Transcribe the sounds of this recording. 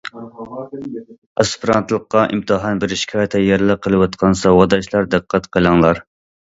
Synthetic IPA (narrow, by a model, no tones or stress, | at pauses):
ɑspɨɾɑnt̪lˠəqːɑʔimt̪ʰɨɦɑnbɪɾʃi̥kʰʲɑːjt̪ʰɛjɛɾɨlˠəqʰːəlˠɨwɑt̪qʰɑnsɑwɑd̪ɑʃlˠɑɾd̪ɨqʰːæt̪qʰəlˠɑŋlˠɑɾ